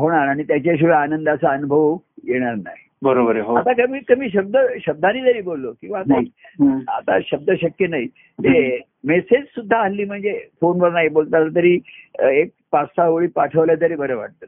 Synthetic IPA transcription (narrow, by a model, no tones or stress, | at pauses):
ɦoɽ̃aɾaɽ̃it̪jat͡ɕaɕ̬iʋəanənd̪əsaənubʱəʋ | jeɽ̃aɾna̰ɦi | bəɾobəɾeɦoat̪akəmiːkəmiːɕ̬əb̚d̪əɕəb̚d̪ʱãniːd̪əɾiːbolːokĩw̃ʋaːt̪aɦia̰t̪a̰ɕəb̚d̪əɕəkjənaɦi | ne | mesed͡ʑsud̪ʱːaəlːiːm̤əɳd͡zefonbəɾnaɦibolt̪at̪t̪̬əɾiːek̚pasaʋɭiːpaʈʰəʋljat̪əɾiːbəɾəʋa̰ʈ̚t̪ə